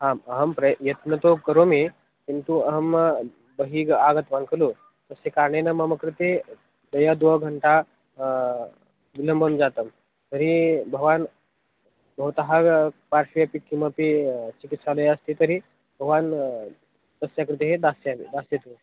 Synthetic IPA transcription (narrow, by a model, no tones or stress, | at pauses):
ɦãməɦəmpɾəjət̪nət̪okəɾome | kint̪uəɦəm | bəɦiɡaɡət̪ʋankʰəlo | t̪əsekaɾɳenəməməkɾɪt̪e | d̪əjad̪oɡʱəɳʈa | ʋiləmbʱənud͡zat̪əm | t̪əɾibʱəɡʋan | bʱəwt̪əɦapaɾʂijəpikiməpit͡ɕikit̪saləjəst̪it̪əɾi | bʱəɡʋan | t̪əsjakɾɪt̪eɦed̪asjaʋid̪asjet̪u